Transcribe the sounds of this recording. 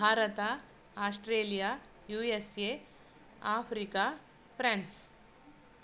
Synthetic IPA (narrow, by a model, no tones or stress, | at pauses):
aːɾɐt̪a | aːsʈɾeːlijaː | juːese | aːpʰɾika | pʰɾãːns